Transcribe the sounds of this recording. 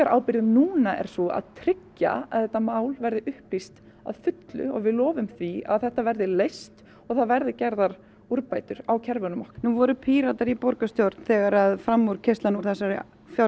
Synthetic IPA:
aɾʔaːwpɪɾɪðnuːnaʔɛ̰ɾ̥sɔa̰ðt̪ʰɾɪcːa̰a̰ðθɛt̪ːamaːwlvɛɾðɪʔʏhplist̪ | a̰ðfʏt̪lʏ̰ɔ̰ɣvɪðlɔːvʏmθvia̰ðθɛht̪avɛɾðɪlejst̪ | ɔɣθaðvɛɾðɪcɛɾðaɾ̥ | uɾpajt̪ʏɾ̥awcʰɛɾvʏnʏmɔhnuːvɔɾʏpʰiːɾat̪aɾipɔɾkast̪jowɾt̪n̥θɛːɣaɾaðfɾamːuɾ̥cʰest̪lanuɾθɛs̬aɾɪ | fja

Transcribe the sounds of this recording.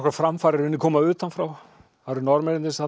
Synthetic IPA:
kɾaɾfɾamfaːɾɪɾvɪnɪkʰɔːmaʏːt̪anfɾaw | aɾnɔɾmɛɾɪnt̪ɪnsa

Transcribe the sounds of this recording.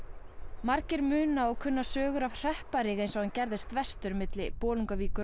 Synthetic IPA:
maɾcɪɾmʏːnaɔɣkʰʏnːasœːɣʏɾav̥r̥ɛhpaɾɪɣejnsɔwhancɛɾðɪst̪vɛst̪ʏɾmɪt̪lɪpɔːluŋkaviːkʏ

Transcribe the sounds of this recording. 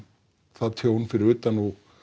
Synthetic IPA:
θaðt̪ʰjoːwnfɪɾɪɾʏːt̪anɔɣ

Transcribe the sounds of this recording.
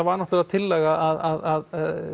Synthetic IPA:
avaɾnɔht̪ʏɾaðt̪ʰɪlːɛɣaʔaðaðað

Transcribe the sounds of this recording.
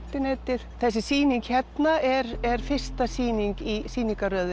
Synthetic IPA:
t̪ɪneːt̪ɪð̥θɛs̬ːɪsiːniŋkhɛt̪naʔɛɾɛɾ̥fɪr̥st̪asiːniŋkisiːniŋkaɾœːðʏ

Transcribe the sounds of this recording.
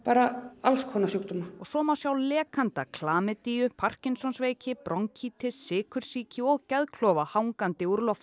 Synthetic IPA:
paːɾaalskhɔnasjukt̪ʏmaɔɣsɔːmawsjawlɛːkʰant̪akʰlaːmɪt̪ijʏpʰar̥cɪnsɔnsveːjcɪpɾʔɔŋcʰiːt̪ʰɪsːɪːkʰʏɾ̥siːcɪɔɣcɛðkʰlɔːvahawŋkant̪ɪuɾlɔft̪

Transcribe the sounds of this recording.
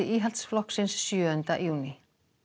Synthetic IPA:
ɪʔiːɦalt̪sflɔhksɪnsːjœːœnt̪aʔjuːnɪ

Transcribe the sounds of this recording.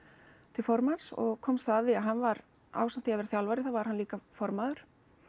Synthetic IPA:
t̪ʰɪlfɔɾmansɔ̰ɣkʰɔːmst̪aːðɪaɦanːvaɾ | a̰ːwsam̥t̪ɪavɛɾaθjawlvaɾɪθawvaɾ̥hanliːkafɔɾmaðʏɾ̥

